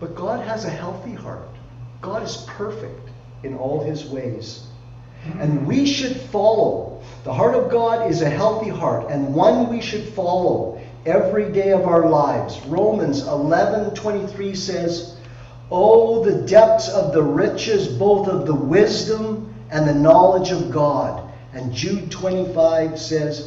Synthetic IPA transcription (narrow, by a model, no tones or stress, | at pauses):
b̥ʌt̚ɡ̥ɑd̚ɨzɨhɛlˠθihɑ̰ɹt̚ | ɡ̥ɑɾɨz̥pʰɜ˞fɪk̚t | ɨ̃nɔlˠɪzweɪz | ɨ̃nwiʃɨd̥fɑlˠoʊ | ðəɦɑɹɾʌvɡɑɾɪzɨɦɛlˠθiɦɑɹɾɨ̃nwʌ̃nwiʃɨd̥fɑlˠoʊ | ɛvɹideɪʌvaʊə˞laɪvzɹõʊ̃mɨ̃nzɪlɛvɨ̃ntʰw̥ɛ̃ɾ̃iθɹisɛz | oʊðɨdɛp̚θsʌvðəɹɪt͡ʃɪzboʊθʌvðəwɪzdə̃m | ɨ̃nðɨnɑlˠəd͡ʒʌvɡɑɾ | ɨ̃nd͡ʒʉtʰw̥ɛ̃ɾ̃ifaɪv̥sɛz̥